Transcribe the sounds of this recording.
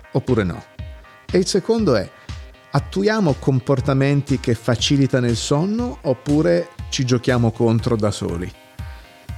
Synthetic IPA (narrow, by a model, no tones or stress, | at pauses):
opːuːɾenɔ̰ | eilsekond̪oɛ̰ | at̪ːujaːmokomport̪ament̪ik̟efːat͡ʃiːlit̪anoilsonːoːpːuːɾet͡ʃid͡ʒok̟jaːmokont̪ɾod̪aso̰ːlḭ